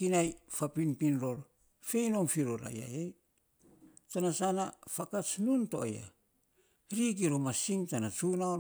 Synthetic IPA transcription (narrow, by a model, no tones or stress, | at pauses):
kinajfapinpinɾo̞ɾ | fe̞jnoŋfiɾoɾa̰ja̰jej | tanasanafakat͡ʃnunto̞ja̰ | ɾik̬iɾomasiŋtanat͡ʃunao